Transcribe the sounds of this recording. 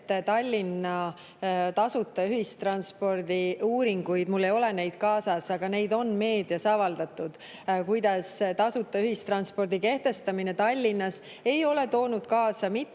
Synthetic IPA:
t̪ːt̪ɑlʲːinːɑ | t̪ɑsut̪ːˑɑyhist̪rɑnspo̞rd̪̥iuːɾiŋɡ̥ujd̪̥mulːe̞jo̞le̞ne̞jd̪̥̚kɑːsɑsɑɡ̥ɑne̞jd̪o̞nme̞ːd̪̥iɑsɑvɑld̪̥ɑt̪ˑːud̪̥ | kujd̪ɑst̪ɑsut̪ːˑɑyɦist̪rɑnspo̞rd̪̥ike̞ht̪e̞st̪ɑmine̞t̪ɑlʲːinːɑs | e̞jo̞le̞t̪o̞ːnud̪̥kɑːsɑmit̪ː

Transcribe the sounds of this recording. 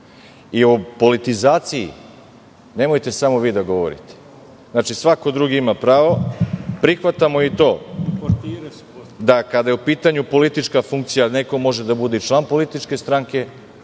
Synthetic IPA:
iopo̞lit̪izaːt̪sijḭ | ne̞mo̞jt̪e̞samo̞ʋiːd̪aɡo̞ʋo̰ɾḭt̪e̥ | znaːt͡ʃisʋako̞d̪ɾuɡiimapɾaːʋo̞pɾixʋat̪amo̞it̪o̞ː | d̪akad̪ajeupiːt̪aɲupo̞lit̪it͡ʃkafuŋk̚t̪sijane̞ko̞mo̞ʒe̞d̪abud̪et͡ʃlˠanpo̞lit̪it͡ʃke̞st̪ɾaŋke̞

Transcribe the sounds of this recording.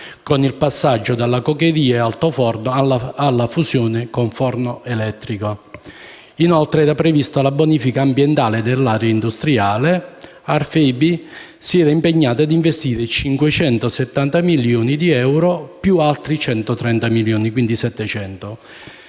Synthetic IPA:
konilpasːad͡ʒːod̪alːakoked̪iːaealt̪ofɔrnoaaalːafusjɔːnɪkoɱfɔrnoʔelɛt̪ːɾiko | inɔlt̪ɾeɛːɾapɾevist̪alaboniːfikaːmbjɛnt̪aːled̪elːaːɾeaind̪ust̪ɾiaːle | arfɛbi | siɛːɾaimpeɲːaːt̪ʊad̪iɱvest̪iːɾet͡ʃiŋkwet͡ʃɛnt̪osɛt̪ːant̪amiljoːnid̪iɛwɾopjualt̪ɾit͡ʃɛnt̪ot̪ɾɛnt̪amiljoːnikwind̪isɛt̪ːɛt͡ʃɛnt̪o

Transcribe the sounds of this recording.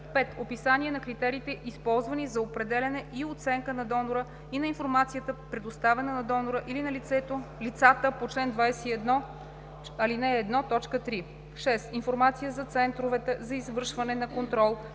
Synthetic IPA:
pɛt̪opisanʲiɛnɐkɾit̪ɛɾiːt̪ɛʔispɔlˠzvɐnizɐopɾɛd̪ɛlʲɐnɛʔiot̪sɛŋkənɐd̪ɔnoɾə | inɐinfoɾmat̪sijət̪əpɾɛd̪ost̪avɛnənɐd̪ɔnoɾəʔilinɐlit̪sɛt̪olit̪sat̪əpot͡ʃlɛnd̪vajsɛiɛd̪nɔ | ɐlinɛːd̪nɔt̪ɔt͡ʃkət̪ɾi | ʃɛsinfoɾmat̪sijəzɐt̪sɛnt̪ɾovɛt̪ɛzɐizvɤɾʃvɐnɛnɐkont̪ɾɔlˠ

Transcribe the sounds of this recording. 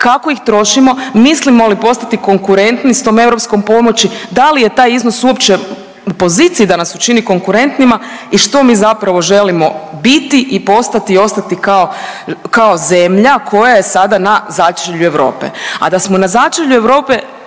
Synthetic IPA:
kako̞ixt̪ɾo̞ʃimo̞mislimolipo̞st̪at̪iko̞ŋkuɾe̞nt̪nist̪o̞ːme̞ʋɾo̞psko̞mpo̞mo̞t͡ɕid̪alije̞t̪aːjizno̞suo̞pt͡ʃe | upo̞ziːt̪sijid̪anasut͡ʃiniko̞ŋkuɾe̞nt̪nimaiʃt̪o̞miːzapɾaʋo̞ʒe̞limo̞bit̪iʔipo̞st̪at̪io̞st̪at̪ikao̞kao̞ze̞mʎakʰo̞jaje̞sad̪anazat͡ʃeʎue̞ʋɾo̞̰ːpḛa̰d̪asmonazat͡ʃeʎue̞ʋɾo̞ːpe

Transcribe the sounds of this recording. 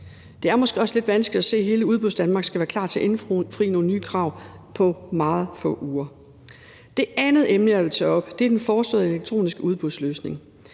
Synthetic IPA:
d̥e̝æɐmɒ̽sɡ̥e̝ɒ̽sle̝d̥ʋænsɡ̥lid̥æse̝̰ːɦe̝ːləuð̞ˠb̥uðˠsd̥ænmɑ̈ɡ̥sɡ̥æʋæːɐkʰl̥ɑ̈ːt͡sʰe̝ʔe̝nfʁḭːno̝ːn̩nːyːkʰʁɑ̈ʊ̰pʰɒ̽mɑ̈ːð̞̩ˠfɔ̰̽ʔuːɐ | d̥e̝ænð̞̩ˠemnəæʋe̝lt͡sʰɛɒ̽b̥d̥e̝æɐd̥enfɒːsd̥ɔ̰̽ð̩ˠeleɡ̥̚t͡sʰʁo̝̰ːnisɡ̥əuð̞ˠb̥uðˠsløːsne̝ŋ

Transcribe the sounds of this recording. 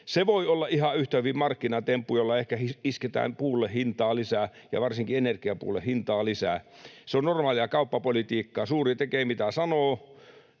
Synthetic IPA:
seʋoiolːɑʔihɑyht̪æyʋimmɑrkːinɑt̪empːujolːɑehkæhiisket̪æ̰ːmpuːlːehhint̪ɑːlisæjɑ̰ʋɑrsiŋkienerkiɑpṵːlːehint̪ɑːlisæ̰ˑseonnormɑːliɑkɑupːɑpolit̪iːkːɑːsuːrit̪ekeːmit̪æsɑnoː

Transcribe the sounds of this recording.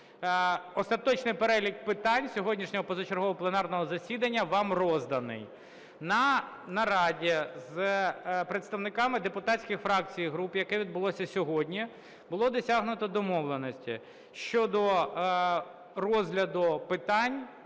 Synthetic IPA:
ɔst̪ɐt̪ɔt͡ʃnɪjpeɾɛlʲik̚pɪt̪ɑnʲsʲɔɦɔdʲnʲiʃnʲɔɦɔpɔzɔt͡ʃeɾɦɔɦɔplˠenɑrnɔɦɔzɐsʲid̪ɐnʲːɐʋɑmrɔzd̪ɐnɪ̰j | nɐ | nɐɾɑdʲiz | pɾet̪st̪ɐʋnɪkɑmɪd̪epʊt̪ɑtʲsʲkʲɪxfɾɑk̚t͡sʲijɦɾupjɐkɛʋʲid̪̚bʊlˠɔsʲɐsʲɔɦɔdʲnʲi | bʊlˠɔd̪ɔsʲaɦnʊt̪ɔd̪ɔmɔʋlˠenɔsʲtʲḭ | ʃt͡ʃɔd̪ɔ | rɔzʲɦlʲɐd̪ʊpɪt̪ɑnʲ

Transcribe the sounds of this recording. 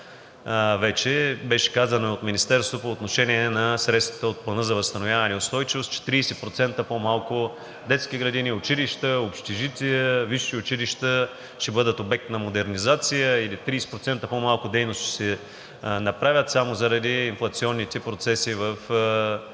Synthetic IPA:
vɛt͡ʃɛbɛʃɛ̥kazɐnoot̪minist̪ɛɾst̪vopoːt̪noʃɛniɛnɐsɾɛt̪st̪vɐ̥t̪əot̪̚plˠɐnɤzɐvɐst̪ɐnovʲjavɐnʲɛʊst̪ɔjt͡ʃivost͡ʃɛ̥t̪ɾiːsɛpɾot̪sɛnt̪əpomalˠkʊ | d̪ɛt̪skʲiɡɾɐd̪iniʊt͡ʃiliʃt̪əopʃt̪iʒit̪ʲiəviʃiʊt͡ʃiliʃt̪ə | ʃt̪ɛbɤd̪ət̪obɛk̚t̪nɐmod̪ɛɾnizat̪sijəilit̪ɾiːsɛ̥pɾot̪sɛnt̪əpomalˠkʊd̪ɛjnost͡ʃi̥sɛ | nɐpɾavʲjət̪samozɐɾɐd̪iːnflˠɐt̪siɔnːit̪ɛpɾot̪sɛsivəf

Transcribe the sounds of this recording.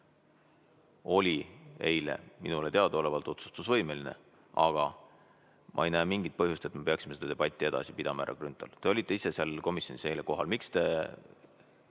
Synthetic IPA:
o̞lʲie̞̰jle̞̰minule̞t̪eɑd̪ɑo̞le̞vɑlt̪ˑo̞t̪su̥st̪usvɤjmelinḛ | ʔɑɡ̥ɑ | mʔɑ̰e̞jnæːmiŋɡ̥it̪̚pɤɦjust̪e̞t̪me̞pe̞ɑksʲimsed̪ɑd̪e̞b̥ɑt̪ʲˑːie̞d̪̥ɑ̰sipid̪̥ɑmɑæ̰ɾʔɑ̰krynt̪ˑɑ̰lt̪e̞o̞lʲit̪ːˑe̞ise̞sɑlko̞misjo̞nise̞jleko̞ɦɑlmikst̪e̞

